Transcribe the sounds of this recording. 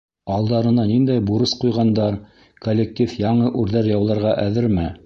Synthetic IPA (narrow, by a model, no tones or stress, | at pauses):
ɑlˠd̪ɑɾɤ̆nɑnind̪æjbuɾɤsqujʁɑnd̪ɑɾ | kolʲːek̚t̪ʲifjɑɴɤʔʉɾðæɾjɑwlˠɑɾʁɑʔæðɘɾmæ